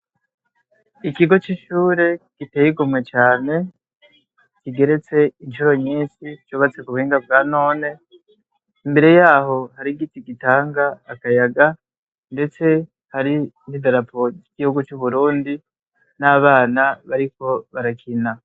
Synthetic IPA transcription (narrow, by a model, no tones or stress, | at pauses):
ikiɡo̞t͡ʃiʃuːɾe̞ɡ̥iteːjiɡumŋe̞t͡ʃaːne̞ | kiɡe̞ɾe̞t͡se̞inʃuɾo̞ɲiːnsit͡ʃuβat͡se̞kuβuhiːŋɡab̚ɡaːno̞ːne̞ | imbe̞ɾe̞jaːho̞haɾiɡitiɡitaːŋɡaːkajaɡa | nde̞t͡se̞ | haɾi | hidaɾapʰo̞ɟiɡ̥ihuɡut͡ʃuβuɾuːndi | naβaːnaβaɾiko̞βaɾakʰina